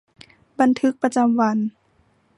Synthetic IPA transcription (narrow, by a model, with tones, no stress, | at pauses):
ba˧nt̪ʰɯ˦˥k̚pa˧t͡ɕa˧mʋa˧˥n